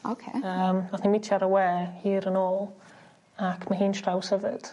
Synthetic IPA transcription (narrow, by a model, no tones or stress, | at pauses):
o̰kʰḛəːmaθnimɪtʰjaɾəwɛːhiːɾənoːlˠ | akʰmaɦiːnʃʰrawshəvɨd̥